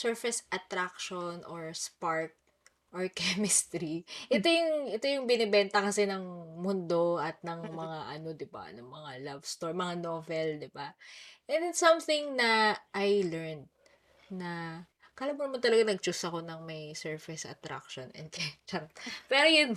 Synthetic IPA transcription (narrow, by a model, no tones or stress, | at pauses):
sɛɹfɛsʔɐt̪ɾakʃonʔoɹspaɹk̚ | ʔoɹkɛmɪst̪ɾiʔɛt̪o̞jʊŋʔɛt̪o̞jʊŋbɪnɛbɛnt̪ɐkɐsɛnɐŋmʊnd̪o̞ɐt̪̚nɐŋmɐŋaʔɐno̞d̪ɪba̰nɐŋmɐŋalabst̪oɹmɐŋanovɛld̪ɪbaʔɛnd̪ɪsɐmθɪŋnɐʔajlɛɹnd̪̚ | nɐ | kɐʔɐlamːʊnɐmɐnt̪ɐlɐɡanɐɡ̚t͡ʃusɐko̞nɐŋmɐjsɛɹfɛsɐ̰t̪ɾa̰kʃonʔɛ̰nd̪̚kɐt͡ʃɐŋpɛɾojʊn